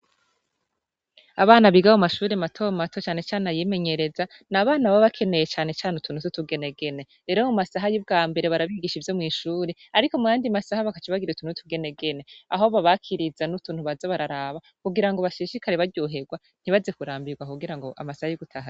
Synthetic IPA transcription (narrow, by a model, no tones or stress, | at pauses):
aβaːnaβiɡahumaʃuːɾematʰo̞matʰot͡ʃaːne̞t͡ʃaːnnajime̞ɲeɾe̞za | naβaːnaβaβakʰe̞ne̞jet͡ʃaːne̞t͡ʃaːnutʰunututuɡe̞ne̞ɡe̞ne̞ | ɾe̞ɾomumasaɦajubɡaːmbe̞ɾeβaɾaβiɡiʃivjo̞mŋiːʃuːɾeaɾiko̞mujaːndimasahaβakat͡ʃiβaɡiɾeutunutʰuɡe̞ne̞ɡe̞ne̞aɦoβaβakʰiɾizanutuːn̥huβazaβaɾaɾaβa | kuɡiɾaŋɡo̞βaʃiːʃikaɾeβaɾɟoɦe̞ɡwa | n̥hiβazekuɾaːmbiɾɡwakuɡiɾaŋɡo̞ʔa̰masahajuɡutʰaɦa